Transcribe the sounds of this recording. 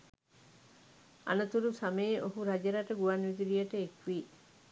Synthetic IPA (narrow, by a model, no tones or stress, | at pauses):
a̰nət̪uɾusaməjeʔoɦuɾad͡ʒəɾaʈəɡuʋanʋid̪iɾijəʈəekʋiː